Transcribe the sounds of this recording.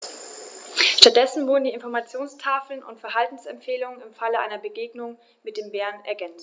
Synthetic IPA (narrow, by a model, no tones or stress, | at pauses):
ʃtat̚d̥ɛsn̩vʊɐdn̩diːɪnfɔɐmat͡sjoːnstʰaːfl̩nʊ̰ntfɛɐɦaltn̩sɛmfeːlʊŋənɪmfaləʔa̰ɪnɐbəɡeːɡnʊŋ | mɪt̚d̥eːmbɛːɐnɛ̰ɐɡɛnt͡st